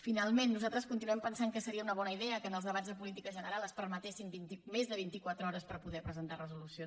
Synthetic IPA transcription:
finalˠmenːuzalˠt̪ɾəskunt̪inuwɛmpənsaŋkəsəɾiəunəβ̞ɔnəiðɛəkənəlˠzðəβazðəpulit̪ikəʒənəɾalˠəspəɾmət̪esimbint̪imezðəβint̪ikwat̪ɾəɔɾəspəɾpuðɛpɾəzənt̪arəzulusio

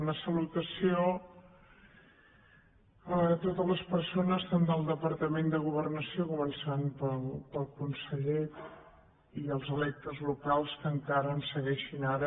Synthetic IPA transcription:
nəsəlut̪əsio | ət̪ot̪ələspərsonəstənd̪əlˠd̪əpəɾt̪əmend̪əɣ̞uβərnəsiokumənsanpəlˠpəlˠkunsəʎe | iəlˠzəlɛk̚t̪əzlukalˠskəŋkaɾəːnsəɣɛʃinaɾə

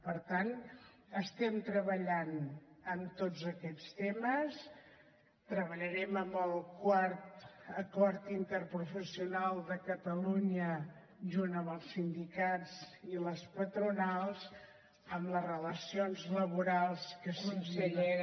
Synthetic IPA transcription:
pəɾt̪an | əst̪ɛmt̪ɾəβəʎanəmt̪od͡zəkɛt͡st̪eməs | t̪ɾəβəʎəɾɛməmbəlˠkwaɾt̪əkɔɾt̪int̪əɾpɾufəsiunalˠd̪əkət̪əluɲə | ʒunəmbəlˠsind̪ikad͡ziləspət̪ɾunalˠz | əmləzrələsionzləβ̞uɾalˠskəsunsəʎe

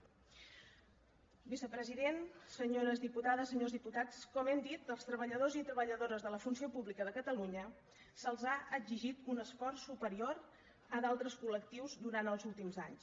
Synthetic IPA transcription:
bisəpɾəziðensəɲoɾəzðiput̪aðəsəɲozðiput̪at͡skɔmɛmd̪it̪əlˠst̪ɾəβəʎəðozit̪ɾəβəʎəðoɾəzðələfunsiopuβlikəðəkət̪əluɲə | səlˠzaʔəziʒit̪unəsfɔrsːupəɾioɾ | əðalˠt̪ɾəskulək̚t̪iwzd̪uɾant̪əlˠzulˠt̪imza̰ɲs

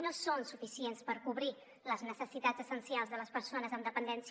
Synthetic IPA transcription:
nosonsufisienspəɾkuβɾi | ləznəsəsit̪ad͡zəsənsialˠzðələspəɾsonəzəmd̪əpənd̪ɛns

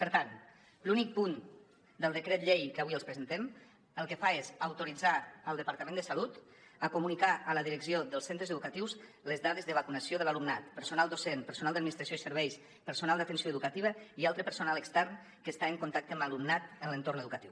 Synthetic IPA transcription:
pəɾt̪an | lunik̚pun | d̪əlˠd̪əkɾet̪ʎejkəβiəlˠspɾəzənt̪ɛm | əlˠkəfaezəwt̪uɾid͡zaəlˠd̪əpaɾt̪əmẽnd̪əsalut̪ | əkumunikaələðiɾəksioðəlˠsent̪ɾəzəðukət̪iws | ləzðaðezðəβəkunəsioðəlalumnat̪pəɾsunalˠd̪osenpəɾsunalˠd̪d̪minist̪ɾasjoisəɾβɛjs | pəɾsunalˠd̪ət̪ənsioəðukət̪iβəialˠt̪ɾəpəɾsunaləkst̪ɛɾn | kəst̪aəŋkunt̪ak̚t̪əməlumnat̪ənlənt̪ornəðukət̪iw

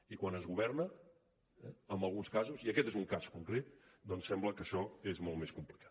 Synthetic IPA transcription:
ikwanəzɣuβɛɾnə | ɛ̰əmbəlˠɣunskazuziəkɛt̪ezuŋkaskuŋkɾet̪d̪ɔnsːɛmbləkəʃɔezmɔlt̪meskumplikʰḁt̪̚

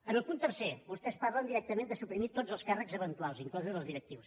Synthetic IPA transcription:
ənəlˠpunt̪ːəɾseβust̪ɛspaɾlənd̪iɾɛk̚t̪əmẽnd̪əsupɾimit̪od͡zəlˠskarəkzəβənt̪lalˠziŋklɔzuðəlˠzðiɾək̚t̪iws

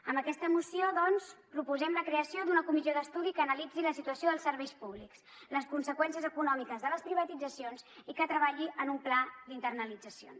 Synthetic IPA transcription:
əmbəkɛst̪əmusioðɔnspɾupuzɛmləkɾeəsiod̪unəkumizioðəst̪uðikəːnəlid͡ziləsit̪uəsioðəlˠsəɾβɛjspuβliks | ləskunsəkwɛns̬iəzəkunɔmikəzðələspɾiβət̪id͡zəsionzikət̪ɾəβ̞aʎiʔənumplad̪int̪ərnəlid͡zəsio̰n

